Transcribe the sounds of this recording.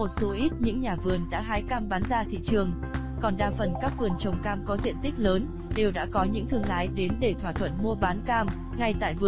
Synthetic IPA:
mo˨˩t̚so˨˦ʔi˦˥t̚ɲɨ̰˧˥ŋɲaː˨˩vɨ˨˩ənɗa̰ː˧˥ɦaː˨˦jkaː˧mɓaː˨˦nzaː˧t̪ʰḭ˧˨t͡ɕɨ˨˩əŋ | kɔ˨˩nɗaː˧˩fə˨˩nkaː˦˥k̚vɨ˨˩ənt͡ɕə˨˩wŋ͡mkaː˧mkɔ˨˦zḭ˧˨ənt̪ï˦˥k̟̚ləː˨˦n | ɗe˨˩wɗa̰ː˧˥kɔ˨˦ɲɨ̰˧˥ŋt̪ʰɨ˧əŋla̰ː˧˥jɗe˨˦nɗe˧˩t̪waː˧˩t̪ʰwə̰˧˨nmu˧əɓaː˨˦nkaː˧m | ŋa˧jt̪a̰ː˧˨jvɨ˨˩

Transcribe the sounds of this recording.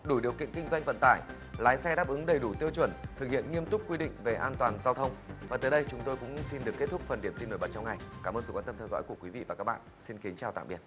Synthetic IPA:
ɗu˧˩jɗi˨˩əwkḭ˧˨ənkï˧ŋ̟za˧jŋ̟və̰˧˨nt̪a̰ː˧˩j | laː˨˦jsɛ˧ɗaː˦˥p̚ʔɨ˨˦ŋɗə˨˩jɗu˧˩t̪i˧əwt͡ɕwə˧˩nt̪ʰɨ˨˩k̚hḭ˧˨ənŋi˧əmt̪ʊ˦˥k͡p̚kwi˧ɗḭ̈˧˨ŋ̟ve˨˩ʔaː˧nt̪waː˨˩nzaː˧wt̪ʰə˧wŋ͡mvaː˨˩t̪əː˨˦jɗə˧jt͡ɕʊ˨˦ŋ͡mt̪o˧jkʊ̰˧˥ŋ͡msi˧nɗɨ˨˩əkːt̚t̪ʰʊ˦˥k͡p̚fə˨˩nɗi˧˩əmt̪i˧no˧˩jɓə˨˩t͡ɕɔ˧wŋa˨˩jkaː˧˩məː˧nzə˨˩kwa˧nt̪ə˧mt̪ʰɛ˧wzɔ̰˧˥jku˧˩əkwi˨˦vḭ˧˨vaː˨˩kaː˦˥k̚ɓa̰ː˧˨nsi˧nki˨˦nt͡ɕaː˨˩t̪a̰ː˧˨ɓi˨˩ət̚

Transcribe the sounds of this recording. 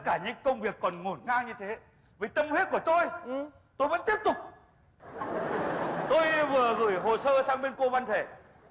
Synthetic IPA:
t̪ə˥t̚kaː˧˩ɲɨ̰˧˥ŋkə˧wŋ͡mvi˨˩əkːɔ˨˩nŋo˧˩nŋaː˧ɲɨ˧t̪ʰe˨˦ | vi˨˩t̪ə˧mhe˦˥t̚ku˧˩ət̪o˧j | t̪o˧jvə̰˧˥nt̪i˦˥əp̚t̪ʊ˨˩k͡p̚ | t̪o˧jvɨ˨˩əɣɨ˧˩jɦo˨˩səː˧saː˧ŋɓe˧nko˧va˧nt̪ʰe˧˩

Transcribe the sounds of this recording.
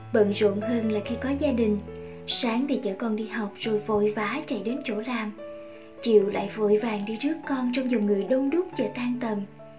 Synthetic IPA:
ɓə̰˧˨nzə̰˧˨ənɦəː˧nlaː˨˩xi˧kɔ˨˦zaː˧ɗï˨˩ŋ̟ | saː˨˦ŋt̪ʰi˨˩t͡ɕə̰ː˧˩kɔ˨˩nɗḭ˧ɦa˨˩wk͡p̚z̥o˨˩jvo̰˧˨jvaː˨˦t͡ɕə̰˧˩jɗe˨˦nt͡ɕo˧˩laː˨˩m | t͡ɕḭ˧˨əwla̰ː˧˨jvo̰˧˨jvaː˨˩ŋɗi˧zɨ˦˥əkːɔ˧nt͡ɕɔ˧wŋ͡mzʊ˨˩ŋ͡mŋɨ˨˩əjɗə˧wŋ͡mɗʊ˦˥k͡p̚t͡ɕə˧˩t̪aː˧nt̪ə˨˩m

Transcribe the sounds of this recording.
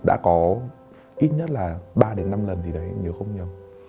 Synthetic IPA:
ɗa̰ː˧˥kɔ˨˦ | ʔi˦˥t̚ɲə˦˥t̚laː˨˩ɓaː˧ɗe˨˦nːa˧mlə˨˩nt̪ʰi˨˩ɗə˨˩hɛ̰˧˥nɲɨ̰˨˧˦əxə˧wŋ͡mɲə˨˩w

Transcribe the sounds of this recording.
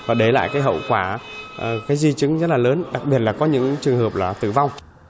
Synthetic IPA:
vaː˨˩ɗe˨˦jla̰ː˧˨jkaː˨˦jɦə̰˧˨wkwaː˧˩˨ | kaː˨˦jzi˧t͡ɕɨ˨˦ŋzə˦˥t̚laː˨˩ləː˨˦nɗa˨˩k̚ɓi˨˩ət̚laː˨˩kɔ˨˦ɲɨ̰˧˥ŋt͡ɕɨ˨˩əŋɦəː˨˩p̚laː˨˩t̪ɨ̰˧˨˩va˧wŋ͡m

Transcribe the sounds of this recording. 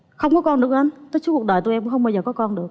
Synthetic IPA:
xə˧wŋ͡mkɔ˨˦kɔ˧nɗɨ˨˩ək̚la˨˦nt̪əː˨˦jt͡ɕu˦˥k̚ɗə˨˩jt̪u˧jɛ˧kxə˧wŋ͡mɓaː˧wzəː˨˩kɔ˨˦kɔ˧nɗɨ˨˩ək̚

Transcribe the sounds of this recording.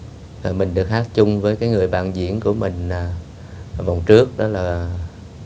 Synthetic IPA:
aː˨˩jmï˨˩ŋ̟ɗɨ˨˩ək̚haː˦˥k̚t͡ɕʊ˧ŋ͡mvəː˨˦jkaː˨˦jŋɨ˨˩əjɓa̰ː˧˨nzḭ˧˥ənku˧˩əmï˨˩ŋ̟aː˨˩˨ | va˨˩wŋ͡mt͡ɕɨ˦˥ək̚ɗɔ˨˦laː˨˩

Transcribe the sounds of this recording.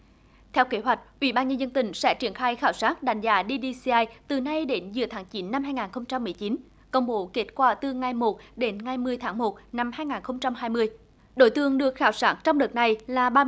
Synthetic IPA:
t̪ʰɛ˧wke˨˦ɦwa˨˩jk̟̚ʔwḭ˧˩ɓaː˧nɲə˧nzə˧nt̪ï˧˩ŋ̟sɛ̰˧˥t͡ɕi˧˩ənxaː˧jxaː˧˩wsaː˦˥t̚ɗa˨˩jŋ̟zaː˨˦ɗi˧ɗi˧si˧ʔaː˧jt̪ɨ˨˩na˧jɗe˨˦nzɨ˨˩ət̪ʰaː˨˦ŋt͡ɕi˨˦nːa˧mhɦaː˧jŋaː˨˩nxə˧wŋ͡mt͡ɕa˧mːɨ˨˩əjt͡ɕi˨˦n | kə˧˩wŋ͡mɓo˨˦ke˦˥t̚kwaː˧˩t̪ɨ˨˩ŋa˨˩jmo˨˩t̚ɗe˨˦nŋa˨˩jmɨ˨˩əjt̪ʰaː˨˦ŋmo˨˩t̚na˧mhaː˧jŋaː˨˩nxə˧wŋ͡mt͡ɕa˧mɦaː˧jmɨ˧əj | ɗo̰˧˦jt̪ɨ˧˩əŋɗɨ˨˩ək̚xaː˧˨˩wsaː˦˥t̚t͡ɕɔ˧wŋ͡mɗə˨˩t̚na˨˩jlaː˨˩ɓaː˧

